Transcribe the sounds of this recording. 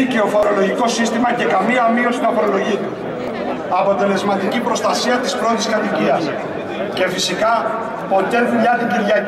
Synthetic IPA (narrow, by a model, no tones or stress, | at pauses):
ice̞o̞fo̞ɾo̞lo̞ʝiko̞sist̪imɐce̞kɐmiɐmio̞sinɐfoɾo̞lo̞ʝi | ɐpo̞t̪e̞le̞zmɐt̪icipɾo̞st̪ɐsiɐt̪ispɾo̞t̪iskɐt̪iciɐs | ce̞fisikɐ | po̞t̪e̞ðuʎɐt̪iɟiɾʝɐ